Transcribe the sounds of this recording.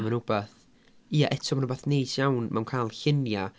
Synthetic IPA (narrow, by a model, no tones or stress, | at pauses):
mənʊbaθ | iːaʔɛtʰɔmanubaθnejtʰjawnmawnkʰaːlˠɬɪnja